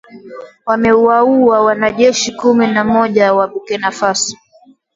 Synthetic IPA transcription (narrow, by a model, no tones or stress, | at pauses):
wamɛuauawanaʄɛʃikuminamɔʄawaɓukɛnafasi̥